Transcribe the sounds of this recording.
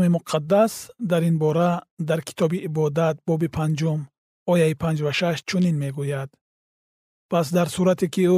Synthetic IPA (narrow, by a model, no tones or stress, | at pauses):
mimuqʰad̪ːasd̪aɾinbɔɾad̪aɾkʰi̥t̪ʰɔbiːbɔd̪at̪̚bɔbipʰand͡ʒum | ɔjaipʰãnd͡ʒvaʃaʃt͡ʃʰuninme̞ɡujad̪ | pʰas̬d̪aɾsuɾat̪ikiu